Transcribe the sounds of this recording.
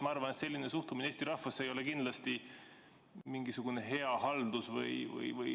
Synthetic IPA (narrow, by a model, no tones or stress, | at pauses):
mɑɑrvɑnet̪se̞lʲːinesuht̪umineeːst̪iɾɑhfɑsːe̞jole̞kind̪lɑst̪i | miŋɡ̥isuɡ̥une̞ɦe̞ɑhɑld̪̥usvɤ̰jvɤ̰jvɯj